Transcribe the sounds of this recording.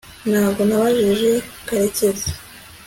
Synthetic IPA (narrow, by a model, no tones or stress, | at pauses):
nhaːbɡo̞naβaʒiʒe̞keɾecezḁ